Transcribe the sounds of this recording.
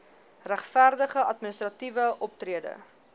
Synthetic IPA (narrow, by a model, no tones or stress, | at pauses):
ræχfærdəχəɐtminəst̪rɐtivəʔɔp̚triədə̰